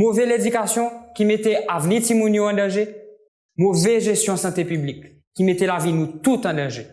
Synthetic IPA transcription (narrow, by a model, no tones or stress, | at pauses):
movɛled̪ykasjɔ̃kimet̪eʔavnit̪imũnjoɑ̃d̪ɑ̃ʒe | movɛʒest̪jɔ̃sɑ̃t̪epyblikː | imet̪elavinũt̪ut̪ɑ̃d̪ɑ̃ʒe